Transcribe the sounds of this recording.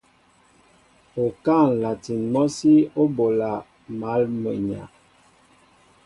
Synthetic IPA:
o˨ka˦˨n˨la˨ti˨nmɔ˦si˦o˦bo˨la˨ | ma˨˦lmə˨ɲa̰˨

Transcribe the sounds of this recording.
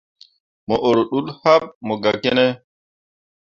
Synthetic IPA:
mɔ˨ʔo˨ɾo˨ɗu˦ɗha˦p̚mɔ˨ɡa˨ke˦nɛ˦

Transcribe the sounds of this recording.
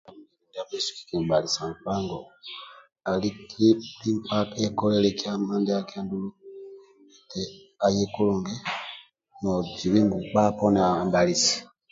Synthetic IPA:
mi˦i˨nda˨pe˦su̥˨ki̥˨ki˨mba˨li˨sa˨ŋ˨k͡pa˦ŋɡɔ˨ | a˨li˦kʰi˦li˦mpa˦ke˦kɔ˦lɛ˦lɛ˦ki˦a˦ma˦nde˦a˦ki˦a˦ndu˦lu˦ | e˨tɛ˨ | a˨je˦ku˦lu˨ŋɡɛ˦ | nɔ˨d͡ʒi˨βi˦ŋɡu˨k͡pa˦pɔ˦n˨a˨mba˨li˨si̥˨

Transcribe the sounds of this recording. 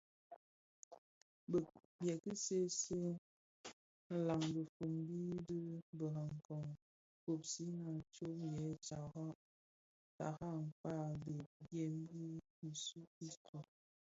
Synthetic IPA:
b | bjɛ˨ki˦se˦se˦ | n̩˨la˨ŋbə˨fo˨mbi˦də˦bə˨ɣa˨ŋ˨kɔ˨ŋ | ko˨psi˦na˦˨t͡ʃo˦m˨jɛ˨˦t͡ʃa˨ɣɔ˦ | ta̰˨ɣa˦˨ŋ˨k͡pa˦˨be˨ɡe˦mbi˦ | i˨su˦i˦kɔ˨

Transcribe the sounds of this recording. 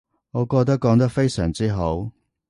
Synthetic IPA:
ŋɔː˨˧kɔː˧k̚t̪ɐ˥kːɔː˨˥ŋt̪ɐ˥k̚fe˥jsœː˨˩ŋt͡siː˥ɦo˨˥w

